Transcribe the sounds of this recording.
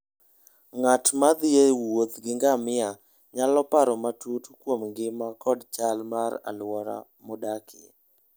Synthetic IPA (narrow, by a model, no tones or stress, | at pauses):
ŋatmad̪ɪewot̪ɡɪŋɡamɪa | ɲalɔpaɾɔmatutkwomɡɪmakɔdt͡ʃalmaɾa̰lwɔɾa̰ | modakʰɪ̰